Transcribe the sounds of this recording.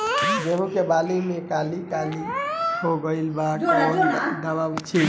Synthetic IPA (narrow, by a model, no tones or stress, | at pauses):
d͡ʒeɦũkebalimẽkalikalihoɡəɪlbakɔːɾd̪əbaʋt͡ʃʰi